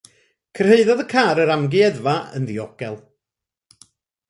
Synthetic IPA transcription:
kʰər̥heɨðɔðəkʰaːɾəɾamɡiɛðvaə̰nðiɔɡ̥ɛlˠ

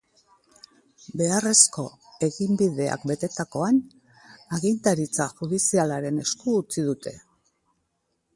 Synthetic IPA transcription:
be̞are̞sko̞ | e̞ɣimbiðe̞a̰kbe̞t̪e̞t̪ako̞an | aɣint̪aɾit͡saʝuðisialaɾe̞ne̞skuːt͡siðut̪e̞

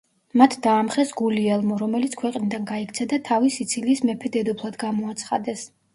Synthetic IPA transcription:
mat̪ʰd̪aːmχɛsɡuliɛlˠmɔɾɔmɛlit̪sʰkʰwɛqʼnid̪anɡaikʰt̪sʰɛd̪at̪ʰavisit̪sʰiliːsmɛpʰɛd̪ɛd̪ɔpʰlˠad̪ɡamɔat̪sʰχa̰d̪ɛs

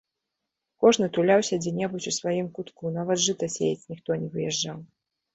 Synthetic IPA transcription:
kɔʐnɨt̪ulʲawsʲɐd͡zʲɛnʲɛbut͡sʲusvajimkut̪kunavɐt̪ʐɨt̪ɐsʲḛjɛt͡sʲnʲixt̪ɔnʲɛvɨjɛʐːaw

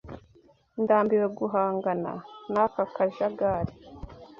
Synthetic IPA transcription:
ndaːmbiweɡuɦaːŋɡana̰nakakaʒaɡaːɾi

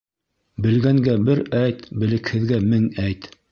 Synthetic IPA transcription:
bɘ̆lɡæŋɡæbɘɾæjt̪bɘ̆lɘ̆khɘ̆ðɡæmɘŋæjt̪

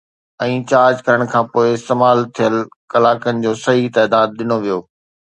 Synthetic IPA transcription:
ɛ̃ːt͡ɕaːɾd͡ʑkɐɾəɽ̃kʰãːpoːɪɪst̪eːmaːlt̪ʰijəlkɐlaːkənɪ̆d͡ʑoːsɐɦit̪aːd̪aːd̪̚ɗɪnoʋijoː

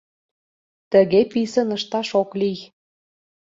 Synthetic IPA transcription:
t̪ə̆ɣepisə̆nəʃt̪ɑʃoklij

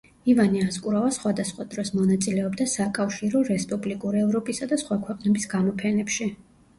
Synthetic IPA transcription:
ivaniaskʼuɾavasχwad̪asχwad̪ɾɔsmɔnat̪sʼilɛɔbd̪asakʼafʃiɾɔɾɛspʼublikʼuɾiɛvɾɔpʼisad̪asχwakʰwɛqʼnɛbisɡamɔpʰɛnɛpʃi

